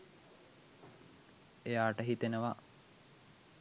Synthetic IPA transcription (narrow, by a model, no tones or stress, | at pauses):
ejaːʈəɦit̪enəʋa